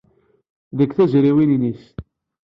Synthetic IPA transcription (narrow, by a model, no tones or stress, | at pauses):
ðəkθæzɾiwininis